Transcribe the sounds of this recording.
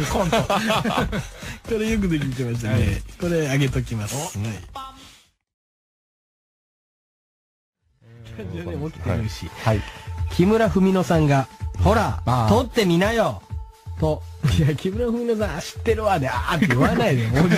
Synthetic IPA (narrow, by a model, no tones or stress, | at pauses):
ko | koɾejok̬ɯ̟d̪ek̬ʲit̪emaɕ̬i̥t̪aneko̞ɾe̞aɡe̞t̪o̞k̬ʲimas | kʰãd͡ʑod̪emokʲi̥t̪eɾɯ̟ɕḭikʲʰimɯ̟ɾaɸɯ̟mʲino̞sãŋɡaho̞ɾat̪ot̪ːe̞mʲinajo | t̪ojakʲʰimɯ̟ɾaɸɯmino̞s̬ãaɕi̥t̪ːe̞ɾɯβad̪eat̪ːejɯβanaid̪emo